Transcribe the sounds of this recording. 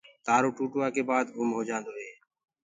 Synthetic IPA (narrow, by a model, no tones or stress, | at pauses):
t̪aːɾoːʈuːʈʋaːkeːbaːd̪ʊːmɦoːd͡ʒãːnd̪oːɦeː